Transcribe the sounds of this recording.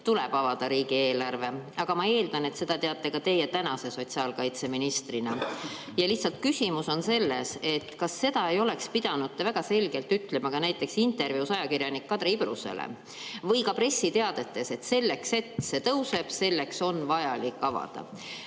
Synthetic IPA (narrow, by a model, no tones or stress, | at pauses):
t̪uleb̥ɑvɑd̪̥ɑɾiːɡ̥ie̞ːlɑrve̞ɑɡ̥ɑmɑe̞ːld̪̥ɑne̞t̪se̞d̪̥ɑt̪e̞ɑt̪ːe̞kɑt̪e̞je̞t̪ænɑse̞so̞t̪ʲsiɑːlkɑjt̪se̞minist̪rinɑ | jɑliçht̪sɑlt̪̚kysʲimuso̞nse̞lːe̞se̞t̪kɑsːe̞d̪ɑe̞jo̞le̞kspid̪ɑnudt̪ːevæɡ̥ɑse̞lɡe̞lt̪yt̪ːˑle̞mɑkɑnæjt̪ːˑe̞ksint̪ˑe̞rviuwsɑjɑkirjɑnikːɑd̪̥ɾeibrusḛlḛ | vɤjkɑpɾe̞sːit̪e̞ɑd̪̥e̞t̪ːe̞se̞t̪se̞lːe̞kse̞t̪se̞t̪ɤwse̞b̥se̞lːe̞kso̞nvɑjɑlikːˑɑvɑ̰d̪̥ɑ̰